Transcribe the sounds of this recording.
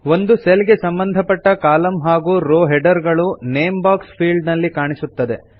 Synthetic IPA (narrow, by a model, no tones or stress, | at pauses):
ʋo̞nd̪uselɡe̞sɐmbɐnd̪ʱɐpɐʈːɐkaːlɐmɦaːɡuːɾoːɦɛɖɐɾɡɐɭuneːmbaːkspʰiːɭɖnɐlːikaːɳisut̪ːɐd̪e̞